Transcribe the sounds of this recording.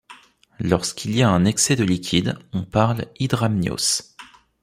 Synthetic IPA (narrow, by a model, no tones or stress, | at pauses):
lɔʁskʲʰilijaɛ̃nɛksɛd̪əlikʲʰid̪ɔ̃paʁlid̪ʁamnjo̰s